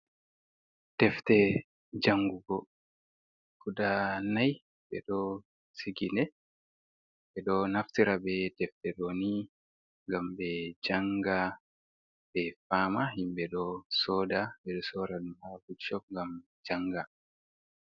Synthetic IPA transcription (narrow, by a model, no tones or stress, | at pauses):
tɛftɛ | d͡ʒaŋɡuɡɔ | kudanaj | ɓɛ̰ɗɔ | siɡinɛ | ɓɛɗɔnaftiɾabɛtɛftɛɗɔni | ŋɡambɛd͡ʒaŋɡa | bɛfaːmahimbɛɗɔsɔːdaɓɛɗɔsɔːɾaɗumhabut͡ʃːɔk̚ŋɡam | d͡ʒaŋɡa